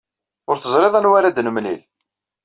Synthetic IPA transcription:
ʊɾθəzɾˤeðˤænwaɾad̪nəmnil

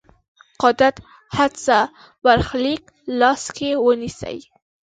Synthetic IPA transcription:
qɑd̪at̪ | had̪sa | baɾxlik | lɑskewənisə̰j

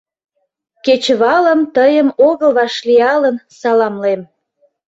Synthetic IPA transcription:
ket͡ɕβɑləmt̪əjəmoɣəlβɑʃliɑlənsɑlɑmlem

